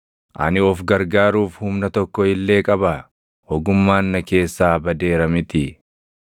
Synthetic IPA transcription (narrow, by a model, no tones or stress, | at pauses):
ʔɐ̰nɪɔfɡɐɾɡaːɾuːfhʊmnɐt̪ɔkːɔɪlːe̞ːkʼɐbɐ | hɔɡʊmːaːnːɐke̞ːsːaːbɐd̪e̞ːɾɐmɪt̪ɪ